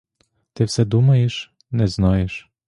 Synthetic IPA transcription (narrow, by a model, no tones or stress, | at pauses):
t̪ɪwsɛd̪umɐjeʃ | nɛznɔjeʃ